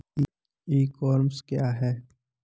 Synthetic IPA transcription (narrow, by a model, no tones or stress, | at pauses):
iːkɔːɾmskjaːɦɛː